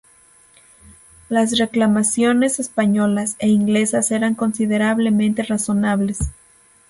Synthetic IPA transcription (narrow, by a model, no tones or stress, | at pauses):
las̬re̞klamasjo̞ne̞sespaɲo̞lase̞iŋɡle̞sase̞ɾaŋko̞nsiðe̞ɾaβle̞mẽnt̪e̞raso̞naβle̞s